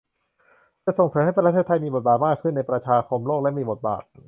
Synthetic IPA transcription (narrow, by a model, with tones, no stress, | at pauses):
kɯː˧˩so˨˩ŋsɤː˩˦mha˥˩pʰːɾa˥t̪ʰeː˥˩t̪ʰːa˧jmiː˧bo˨˩t̪̚baː˨˩t̪̚maː˥˩kʰɯ˥˩nːa˧jpɾa˧t͡ɕʰaː˧kʰo˧mloː˥˩k̚lɛ˦˥miː˧bo˨˩t̪̚ba̰ː˨˩t̪̚